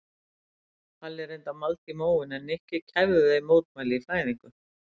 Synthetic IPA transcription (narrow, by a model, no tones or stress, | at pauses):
θalːɛɾejnt̪amalt̪imoːwɪnɛnɛhcɪcʰavðʏðejmoːwt̪majlɪifaːjðiŋkʏ